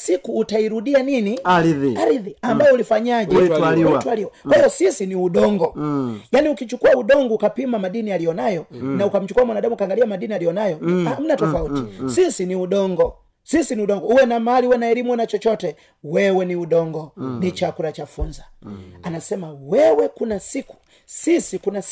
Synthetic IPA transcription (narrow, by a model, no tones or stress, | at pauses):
sikuːtaiɾudianiniaɾiðiambajɔulifaɲaʄɛatualiwɔkwɛjɔsisiniuɗɔŋɡɔjaniukit͡ʃukuauɗɔŋɡɔːkapimamadinialijɔnajɔnaukam̩t͡ʃu̥kuwamwanadamukaŋɡaliamadinialijɔnajɔm̩natɔfautisisiniuɗɔŋɡɔ | sisiniuɗɔŋɡɔuwɛnamaliuwɛnaɛɾimwɛnat͡ʃɔt͡ʃɔtɛ | wɛwɛniuɗɔŋɡɔnit͡ʃakulat͡ʃafunzaanasɛmawɛwɛkunasiku̥ | sisikuna